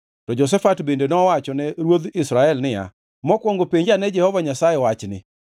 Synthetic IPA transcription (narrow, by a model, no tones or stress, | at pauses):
tɔd͡ʒɔs̬ɛfatbendenɔwat͡ʃɔnɛɾwod̪ɪsɾaɛlnɪa̰ | mɔkwɔŋɡopeɲd͡ʒanɛd͡ʒɛhɔvaɲasajɛwat͡ʃnɪ̰